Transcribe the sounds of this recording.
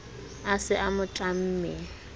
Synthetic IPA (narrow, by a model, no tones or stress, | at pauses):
asɪʔamʊtʼam̩ːmɛ